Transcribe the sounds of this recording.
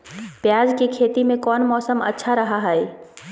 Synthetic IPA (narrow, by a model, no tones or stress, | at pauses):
pjaːd͡ʒkikʰeːt̪imẽkɔːnmɔːsəmɐ̰tːʃʰaɾɐɦaɦɛi